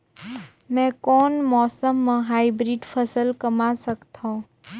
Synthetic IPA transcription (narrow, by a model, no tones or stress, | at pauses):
mɛ̃ːkɔːnmɔːsəmːãɦaːibɾiːɖpʰəsəlkəmasəkt̪ʰõː